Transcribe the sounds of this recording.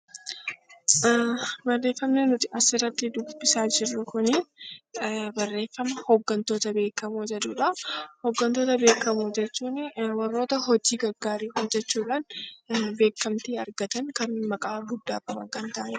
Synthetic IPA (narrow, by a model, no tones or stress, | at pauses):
bɐrːe̞ːfːɐmnenʊt̪ɪɐsɪrːɐt̪ːɪd̪ʊb̥ːɪsaːd͡ʒɪrːʊkʊni | bɐrːe̞ːfːɐmɐhɔɡːɐnt̪o̞ːt̪ɐbe̞ːkːɐmoːd͡ʒɐᶑ̪uːᶑɐhɔɡːɐnt̪o̞ːt̪ɐbe̞ːkːɐmod͡ʒɛt͡ʃːuːnwɐrːo̞ːt̪ɐɦɔd͡ʒiːɡɐɡaːɾiːhod͡ʒɛt͡ʃːuːᶑaːnbe̞ːkːɐmt̪iːɐɾɡɐt̪ɐŋkɐnmɐkʼaːɡʊd̪ːaːkʼɐbɐkɐnt̪aːʔɛ